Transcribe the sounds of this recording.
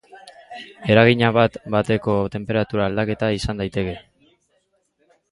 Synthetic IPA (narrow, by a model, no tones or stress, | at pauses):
e̞ɾaɣ̞iɲaβat̪bat̪e̞ko̞t̪e̞mpe̞ɾat̪uɾaːld̪ake̞t̪aisand̪ajt̪e̞ke̞